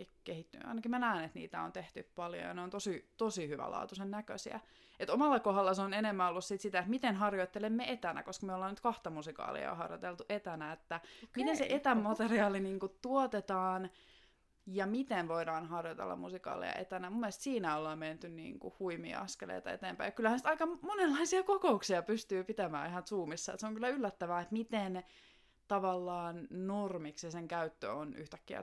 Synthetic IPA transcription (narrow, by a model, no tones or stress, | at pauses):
ekehit̪ːynɑ̰inɑkimænæːnet̪nḭːt̪æo̰nt̪eht̪yppɑljo̰jɑneont̪osit̪osihyʋæ̰lɑ̰ːt̪usennækø̰siæ̰ | et̪omɑlːɑkohɑlːɑseonenemːæolːussit̪sit̪æet̪mit̪enɦɑrjoit̪ːelemːeet̪ænæ̰koskɑmeolːɑːnyt̪kɑht̪ɑmusikɑ̰ːlḭɑ̰hɑrjot̪elt̪uʔet̪ænæet̪ːæmit̪enssḛʔet̪æmmɑt̪eriɑːliniːŋkut̪t̪uot̪et̪ɑːn | jɑmit̪enʋoidɑːnɦɑrjɑt̪ḛlːɑ̰mṵsikɑ̰ːlḭjɑ̰ʔḛt̪ænæmumːielest̪siːnæolːɑːmment̪ynnḭːŋkṵhuimḭːɑ̰skelḛḛt̪ɑḛt̪eːmpæjɑkylːæhænsi̥t̪ɑikɑmonelːɑisiɑkokouksiɑpyst̪yːpit̪æmæ̰ːihɑnsuːmisːɑḛt̪seoŋkylːæylːæt̪ːæʋæːet̪mit̪en | t̪ɑʋɑlːɑːnnormiksiseŋkæyt̪ːø̰ony̰ht̪ækːiæ̰